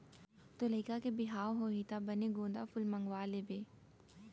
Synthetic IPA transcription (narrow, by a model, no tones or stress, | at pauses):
t̪olɐikakebɪɦaːɦoɦit̪abɐneɡõːnd̪afʊlmɐŋɡʋaːlebeː